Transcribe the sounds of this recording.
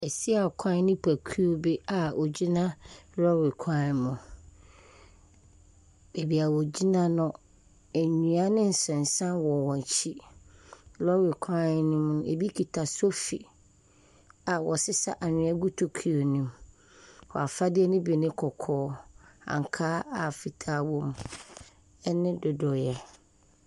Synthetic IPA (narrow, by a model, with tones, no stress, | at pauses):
ɛ˨si˦a˨kʷʰã˦nɪ̃˦pʰæ˨kʰu˦o˦be˦a˨o˨d͡ʑi˦nã˦ɾɔ˦ɾɪ˨kʷʰã˦˨mʊ̃˨ | be˨bi˨a˨wɔ˨d͡ʑi˦nã˦nʊ̃˨ | æ˨ɲũ˨a˦nɪ̃˦n̩˨sɛ̃˨n˨sã˦wɔ˨wɔ̃˨t͡ɕʰi˦ | lɔ˦wi˨kʰã˦˨˦nĩ˦mnʊ̃˨ḛ˨bi˦kʰi˨tʰa˨so˦fḭ˨ | a˨wɔ˨sɪ˦sa˦ʔa˨ɲʊ̃˨ɛ˦ɡu˦tʰo˨kʰi˨o˨nĩ˦m | wɔ̰˨a˨fa˦dɪ˦ɛ˦nɪ̃˦be˨nɪ̃˦kʰɔ˨kʰɔː˦ã̰˨ŋ˨kʰaː˦a˨fi˨tʰaː˦wɔ̃˦m | ɛ˦nɪ̃˦dʊ˨dʊ˨jɛ˨